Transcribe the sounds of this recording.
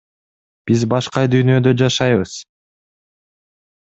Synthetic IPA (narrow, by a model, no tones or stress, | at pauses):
b̥izbɑʃqɑd̪yjnød̪ø̞d͡ʒɑʃɑjβɯz̥